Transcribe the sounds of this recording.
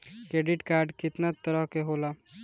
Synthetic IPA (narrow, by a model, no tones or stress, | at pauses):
kɾeːɖɪʈkaːɾɖkɪt̪nat̪əɾəɦkeɦola